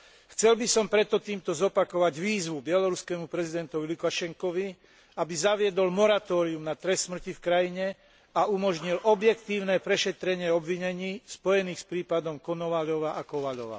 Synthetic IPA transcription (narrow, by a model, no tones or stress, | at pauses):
xt͡sɛlbisɔmpɾɛt̪ːɔt̪iːmt̪ɔzɔpakɔʋaɟʋiːzʋubɪɛlɔɾuskɛːmupɾɛzid̪ɛnt̪ɔʋilukaʃɛŋkɔʋi | abizaʋɪɛd̪ɔlmɔɾat̪ɔːɾiumnat̪ɾɛsːmr̩cifkɾajiɲɛ | aumɔʒɲilʔɔbjɛkt̪iːʊnɛpɾɛʃɛt̪ɾɛɲɪɛɔbʋiɲɛɲiːspɔjɛniːxspɾiːpad̪ɔmkɔnɔʋaʎɔʋaʔakɔʋaʎɔ̰ʋa̰